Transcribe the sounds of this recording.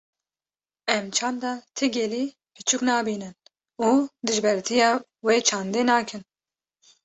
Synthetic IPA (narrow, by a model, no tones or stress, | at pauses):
ɛmt͡ʃʰɑːmd̪ɑt̪ʰɨɡʲɛliː | pʰɨt͡ʃʰuknɑːbiːnɨn | uːd̪ɨʒbɛɾt̪ʰijɑː | weːt͡ʃʰɑːnd̪eːnɑːkʰɨn